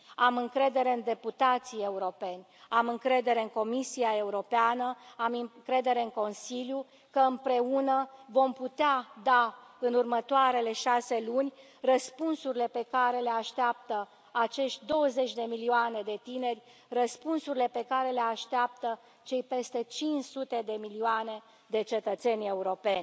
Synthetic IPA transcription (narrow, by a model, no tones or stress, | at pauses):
amɨŋkɾe̞d̪e̞ɾe̞ɨnd̪e̞put̪at̪sije̞uɾo̞pe̞nʲamɨŋkɾe̞d̪e̞ɾe̞ɨŋko̞misiae̞uɾo̞peanəamkɾe̞d̪e̞ɾe̞ɨŋko̞nsilju | kəɨmpɾe̞unəvo̞mput̪ead̪aɨnurmət̪oaɾe̞le̞ʃase̞lunʲ | rəspunsuɾʲile̞pe̞kaɾe̞le̞aʃt̪eap̚t̪ə | at͡ʃe̞ʃt̪ʲd̪o̞wəze̞t͡ʃʲd̪e̞milioane̞d̪e̞t̪ine̞rʲ | rəspunsuɾile̞pe̞kaɾele̞aʃt̪eap̚t̪ə | t͡ʃe̞jpe̞st̪e̞t͡ʃint͡ʃsut̪e̞d̪e̞milioane̞ | d̪e̞t͡ʃe̞t̪ət̪se̞nʲe̞uɾo̞pe̞nʲ